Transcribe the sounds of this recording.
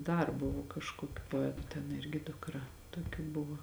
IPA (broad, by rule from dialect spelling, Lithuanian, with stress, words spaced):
dɐr ˈbʊʋoː kɐʃkoːˈkʲuː poːˈæːtʊ tʲɛn ˈɪrʲɡʲɪ dʊkˈrɐ toːˈkʲuː ˈbʊʋoː